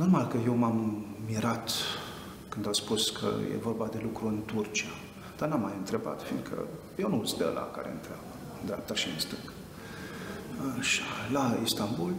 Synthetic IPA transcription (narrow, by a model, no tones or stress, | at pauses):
no̞rmalkəje̞wmamːiɾat̪ | kɨnd̪aspuskʰə̰jḛvo̞rbad̪e̞lukɾuɨnt̪urt͡ʃia | d̪̥arnamːajɨnt̪ɾe̞ba̰t̪fḭnd̪kʰə̰ | jewnusd̪ə̰lʔa̰ka̰ɾeɨnt̪ɾeabə | ɨnd̪ɾʲeap̚t̪aʃiɨ̰nst̪ɨŋɡ | ʃalaist̪ambul